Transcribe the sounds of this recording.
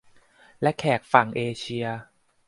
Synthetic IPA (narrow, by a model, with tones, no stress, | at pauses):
lɛ˦˥kʰɛː˨˩k̚fa˨˩ŋʔeː˧t͡ɕʰi˧ɐ